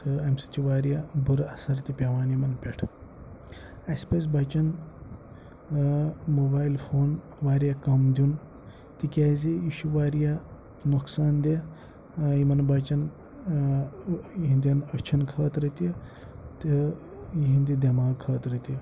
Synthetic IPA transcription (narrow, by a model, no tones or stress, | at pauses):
təemsi̥t͡ʃiʋaːɾjabʱuɾɐsɐɾt̪ʲipʲeʋaːnjimɐnpʲeʈʰ | ɐspɐsbat͡ʃɐn | mobaːilfʰoːn | ʋaːɾjakɐmd̪ʲun | t̪ikʲaːzijiʃuʋaːɾja | noksaːnd̪e | jimɐnbɐt͡ʃɐn | ɦind̪iɐnɐt͡ʃʰɐnkʰɐːt̪ɾɐt̪ije | t̪e | ɦind̪id̪ʲɐmaːɡkʰːɐːt̪ɾɐt̪ijɐ